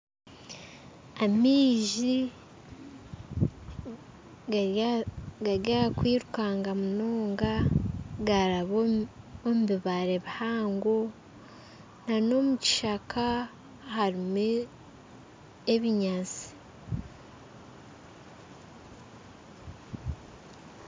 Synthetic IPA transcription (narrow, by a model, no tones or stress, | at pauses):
amiːʒi | ɡaɾjaakwiːɾukaːŋɡamunoːŋɡaɡaɾaβo | omuβiβaɾe̞βihaːŋɡo | nano̞muci̥ʃakʰa | haɾime | eβiɲaːt͡si̥